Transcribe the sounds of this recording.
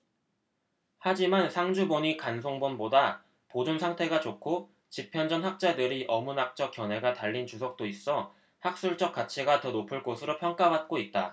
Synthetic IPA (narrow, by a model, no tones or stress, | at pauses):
had͡ʑimansʰaŋd͡ʑuboɲikans̬ʰoŋbonboda | pod͡ʑunsʰaŋtʰe̞ɡat͡ɕokʰo | t͡ɕipʰjʌnd͡ʑʌnhak̚t͡ɕ͈adɯɾiʔʌmunak̚t͡ɕ͈ʌk̚k͈jʌnɦe̞ɡataʎːint͡ɕusʰʌk̚t͈ois͈ʌ | hak̚s͈uɭt͡ɕ͈ʌk͈at͡ɕʰiɡatʌnopʰɯɭk͈osʰɯɾopʰjʌŋk͈abat̚k͈oit̚t͈a